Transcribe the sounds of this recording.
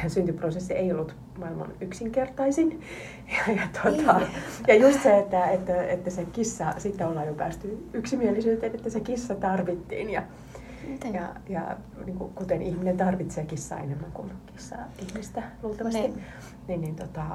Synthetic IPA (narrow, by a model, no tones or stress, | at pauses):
synt̪yprosesːieiolːut̪ | mɑilmɑ̰nyksiŋkert̪ɑisin | jɑjɑt̪ot̪ɑjɑjust̪seet̪ːæet̪ːæet̪ːæsekisːɑsit̪ːæolːɑːjopæːst̪yyksimielisyːt̪enet̪ːæsekisːɑt̪ɑrʋit̪ːḭːnjɑ | jɑ̰jɑ̰ | niːŋkṵkut̪enihminent̪ɑrʋit̪seːkisːɑ̰ḛnemːæŋkunkisːɑ̰ːihmist̪æluːlt̪ɑmɑst̪i | ninnint̪ot̪ɑ